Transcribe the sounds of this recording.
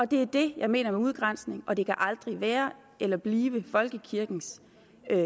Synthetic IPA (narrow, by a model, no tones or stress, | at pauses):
ɒ̽d̥e̝æd̥e̝jɑ̈ɪme̝̰ːnɐmeuð̞ˠɡ̥ʁan̰sne̝ŋɒ̽d̥e̝kʰæʔɑ̈ld̥ʁiʋæːɐ | ʔelɐb̥liːʋəfɒ̽lɡ̥əkʰiɐɡ̥n̩s